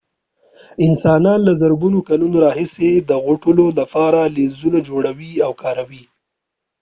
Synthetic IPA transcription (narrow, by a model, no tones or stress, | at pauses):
ɪnsɑnɑnlazəɾɡunokalunoɾɑɦɪsed̪əɣʊʈəlolapɑɾalezunad͡ʒoɽawiawkɑɾawi